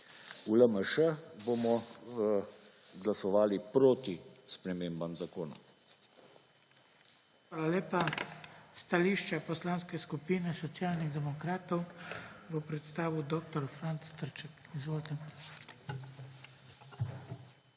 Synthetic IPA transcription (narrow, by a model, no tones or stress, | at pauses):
uləməʃəboːmɔ | ɡlasɔʋaːlipɾoːt̪ispɾɛmeːmbamzakoːna̰ | xʋaːlaleːpa | st̪aliːʃt͡ʃapɔslaːnskɛskupiːnɛsɔt̪sjaːlniɣd̪ɛmɔkɾaːt̪ɔwʋəpɾɛt̪st̪aːʋud̪oːk̚t̪ɔɾfɾant̪st̪əɾt͡ʃɛkizʋoːlt̪ɛn